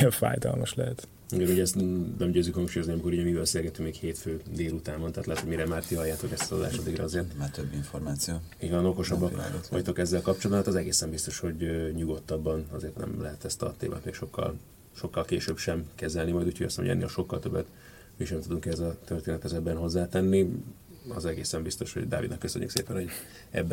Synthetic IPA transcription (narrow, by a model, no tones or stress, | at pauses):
jɛɱfa̰ːjd̪ɒ̰lmɒʃlɛ̰ɦɛt̪ | ɡɛbiɟɛst̪nɛmɟøːzykhɒŋʃuːjozniɒmikoɾuːɟɛmibɛselɡɛt̪yŋmeːkheːt̪føːd̪eːlut̪aːmont̪ɛɦːt̪lɛɦɛt̪omiɾɛmaːrt̪iɦɒjːaːt̪o̞kɛst̪ɒ̥zo̰d̪a̰ːʃɒd̪ːiɡrɒ̰ɒzeːrt̪maːt̪øbːiɱformaːt̪sijoːiːɟvɒno̞ko̞ʃɒbːɒkkʋɒ̰ct̪o̞kɛzːɛlkɒp̚t͡ʃold̪b̪at̪ɒzɛɡeːsɛmbist̪o̞ʃho̞ɟɲuɡo̞t̪ːɒbːɒnɒzeːrt̪nɛ̰mlɛɦɛt̪ɛst̪ɒ̰t̪ḛːma̰ːt̪meːkʃo̞kːɒ̰l | ʃo̞kːɒlkeːʃøːbʃɛmkɛzɛlnimɒjd̪uːcʰoɟɒsɛmo̰ɟɛ̰nːḛːlʃo̞kːɒ̰lt̪øbːɛt̪ | miʃɛmt̪ud̪uŋkɛzɒt̪ørt̪eːnɛt̪ʰɛzɛbːɛnɦo̞zːaːt̪ɛnːi | ɒzɛɡḛːsɛmbist̪o̞ʃhoɟd̪a̰ːvid̪ɒkːøsø̰ɲːy̰ksḛːpɛnho | ɛ̰bː